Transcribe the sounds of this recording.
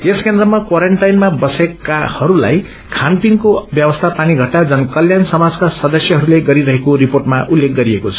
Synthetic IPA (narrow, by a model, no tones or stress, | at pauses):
eskend̪rʌmakwaɾeɳʈajnmabʌsekahʌɾula̰j | kʰanpiŋkobjʌbʌst̪ʰapaniɡʱʌʈːad͡zʌnkʌljansʌmad͡zkasʌd̪ʌsjʌɦʌɾuleɡʌɾiɾʌɦekoɾiporʈmaʔulːek̚ɡʌɾiekot͡sʰʌ̥